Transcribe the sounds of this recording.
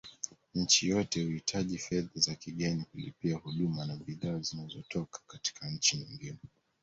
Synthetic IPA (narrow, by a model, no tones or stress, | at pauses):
ɲ̩t͡ʃijɔtɛhuhitʰaʄifɛðazakiɠɛnikulḭpiahuɗumanaɓiðaːzinazɔtɔkḁkati̥kʰaɲ̩t͡ʃiɲiŋɡinɛ